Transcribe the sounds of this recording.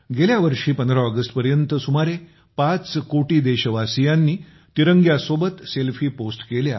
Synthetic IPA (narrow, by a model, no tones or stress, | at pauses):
ɡeljaʋəɾʂiːpənd̪ɾaəɡəsʈpəɾjənt̪əsumaɾe | pat͡skoʈiːd̪eɕəʋasijanːiː | t̪iɾəŋɡjasobət̪selfiːposʈkelja